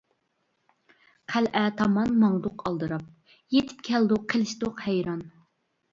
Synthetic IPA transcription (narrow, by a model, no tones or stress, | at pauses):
qʰælʔɛt̪ʰɑmɑnmɑŋd̪ʊqʰɑlˠd̪ɨɾɑp̚ | jet̪ʰɪ̥p̚kʲʰɛld̪ʊqʰːelɪʃt̪oqhɛjɾɑn